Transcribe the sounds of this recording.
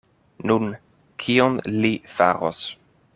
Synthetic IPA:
nun | kʰionlifa̰ɾo̰s

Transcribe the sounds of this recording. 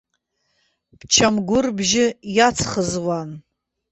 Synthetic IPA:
pʰt͡ʃʰamɡʷʊrbʒɪjat͡sʰχəzwan

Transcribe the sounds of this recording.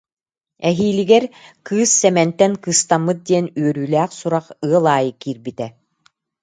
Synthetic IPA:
ɛɦiːliɡɛɾkɯːsːɛmɛnt̪ɛŋkɯːst̪amːɯt̪̚d̪iɛnyœɾyːlæːχsuɾaχɯɐlˠaːjɯkiːɾbit̪ɛ

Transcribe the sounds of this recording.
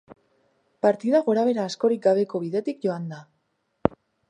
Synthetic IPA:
paɾt̪iðaɣo̞ɾaβ̞e̞ɾaːsko̞ɾik̚ɡaβ̞e̞ko̞β̞iðe̞t̪ikɟo̞and̪a

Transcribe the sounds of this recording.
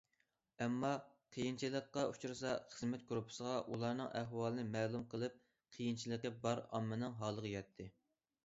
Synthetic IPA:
ɛmːɑqʰijint͡ʃʰilˠəqːɑut͡ʃuɾɨsɑχəzmɛt̪̚ɡɾupʰɨ̥səʁɑʔulˠɑɾnɨ̰ŋæɦwɑlˠɨnɨmɛːlˠumqʰəlˠɨp̚ | qʰijint͡ʃʰilˠəqəbɑɾɑ̰mːɨnɨŋɦɑlˠəʁəjɑt̪ʰːɪ

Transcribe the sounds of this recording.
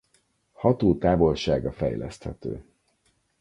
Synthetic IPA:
hɒt̪oːt̪aːvo̞lʃaːɡɒfɛ̰jlɛ̰st̪hɛt̪ø̰ː

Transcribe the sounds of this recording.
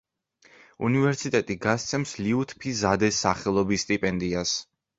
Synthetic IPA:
ṵnivɛɾsit̪ʼɛt̪ʼiɡast̪sʰɛmsliut̪ʰpʰizad̪ɛsaχɛlˠɔbisːt̪ʼipʼɛnd̪ias

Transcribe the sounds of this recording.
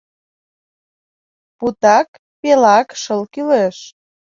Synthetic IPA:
put̪ɑk | pelɑkʃəlkyleʃ

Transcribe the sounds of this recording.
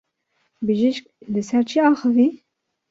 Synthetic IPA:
bɨʒiʃklɨsɛɾt͡ʃʰiɑːxɨvi

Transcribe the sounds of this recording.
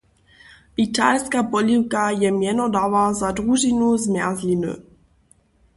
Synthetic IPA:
ʔit̪alskapɔliwkajɛmjɛnɔd̪avazad̪ʁuʒinuzmjazlinṵ

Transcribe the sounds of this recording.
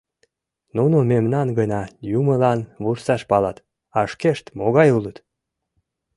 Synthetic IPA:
nunomemnɑnɡənɑjuməlɑnβursɑʃpɑlɑt̪ | ɑəʃkeʃt̪moɣɑjulət̪

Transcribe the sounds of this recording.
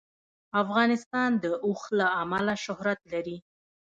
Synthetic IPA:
afɣɑnɪst̪ɑnd̪əʔuxlaamalaʃʊhɾat̪laɾi

